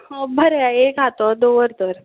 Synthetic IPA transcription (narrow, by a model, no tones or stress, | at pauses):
obʱəɾeaekat̪ɔd̪oʋəɾt̪əɾ